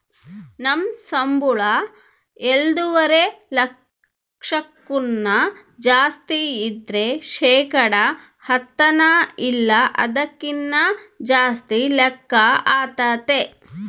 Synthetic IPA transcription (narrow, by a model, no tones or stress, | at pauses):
nɐmsɐmbuɭɐ | eld̪uʋɐɾelɐk | ʂɐkːunːɐ | d͡ʒaːst̪iːd̪ɾe̞ʃɛːkɐɽɐ | hɐt̪ːɐnailːɐʔɐ̰d̪ɐkːinːɐd͡ʒaːst̪ilekːɐaːt̪aːt̪e